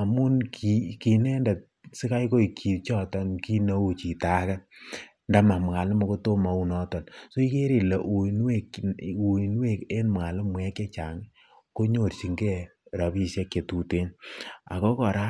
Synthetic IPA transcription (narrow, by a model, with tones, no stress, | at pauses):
a˨mu˦nkʰi˨ki˨nɛ˦nda˨t̚sɪ˦ka˦iko˦i˨kʰi˨t͡ʃɔ˦tɔ˦nki˦na˦u˦t͡ʃi˨ta˦ka˦ | nda˨ma˨mŋa˨lmo˨ko˦to˦ma˨u˦nɔ˦tɔ˨nso˦i˦ke˦ɾe˨le˨ʔu˨nwe˦˨ku˨i˨n˦we˦˨ke˦nmŋa˨lɪ˦mwɛ˦ke˦t͡ʃa˨ŋ | ko˦ɲo˨ɾsi˨ŋɡɛ˦ɾa˨pi˦se˦kːe˨tu˨te˦na̰˨ko˦kɔ˨ɾa˦